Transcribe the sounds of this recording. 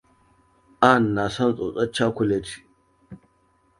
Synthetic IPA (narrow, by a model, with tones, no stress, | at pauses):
ʔa˦˨nːa˨sɐ˦nt͡sʼo˨t͡sʼɐ˦t͡ʃːa˦kʷʊ˦le˦tʰi̥˨